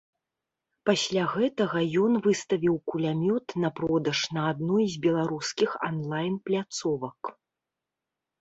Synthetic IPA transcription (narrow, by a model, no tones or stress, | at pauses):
pasʲlʲaɣɛt̪ɐɣɐjɔnvɨst̪ɐvʲiwkulʲamʲɔt̪nɐpɾɔd̪ɐʂnɐːd̪nujzʲbʲɛlˠaɾuskʲixa̰nlˠajnplʲat̪sɔvɐk